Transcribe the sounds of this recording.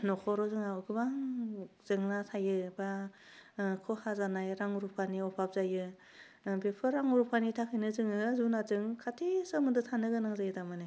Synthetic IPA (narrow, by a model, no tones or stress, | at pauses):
nɔkʰɔɾɔzɯŋaɯɡɯbaŋz̥ɯŋnasʰajɯba | kʰɔhazanajɾaŋuɾupʰaniɔpʰap̚zajɯ | bepʰɯɾaŋuɾupʰanitʰakʰɯjnɯzɯŋɯzunazɯŋkʰatʰisɯmɯdɯtʰanɯɡɯnaŋzajɯdamani